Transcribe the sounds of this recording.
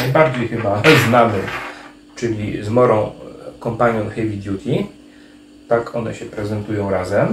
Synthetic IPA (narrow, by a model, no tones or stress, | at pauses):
najbaɾd͡ʑejxɘbaznamɘ | t͡ʂɘlʲizmɔɾɔ̃w̃kɔmpaɲɔ̃w̃xɛjvʲid̪ʲjut̪ʰʲi | t̪akʰɔnɛ̰ɕɛpɾɛzɛnt̪ujɔ̃w̃ɾazɛm